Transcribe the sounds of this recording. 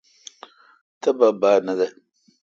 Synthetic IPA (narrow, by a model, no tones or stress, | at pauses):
tababaːnada